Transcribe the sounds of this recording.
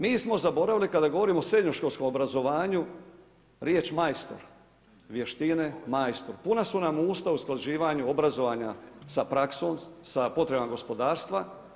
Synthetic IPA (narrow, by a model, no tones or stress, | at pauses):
miːsmo̞zabo̞ɾaʋilikad̪aɡo̞ʋo̞ɾiːmosɾe̞d̪ɲoʃkolsko̞mobɾazo̞ʋaːɲu | ɾjeːt͡ʃmajst̪o̞̰ɾ | ʋje̞ʃt̪inemajst̪oɾpunasunamuːst̪ausklˠaʒiːʋaɲuobɾazoʋaːɲasapɾaksoːmsapo̞t̪ɾebamaɡo̞spo̞d̪aːɾst̪ʋa